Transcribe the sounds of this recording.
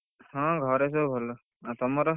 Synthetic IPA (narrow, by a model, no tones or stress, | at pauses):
hɔ̃ɡʱɔɾes̬obʱɔlɔ | at̪ɔmɔɾɔ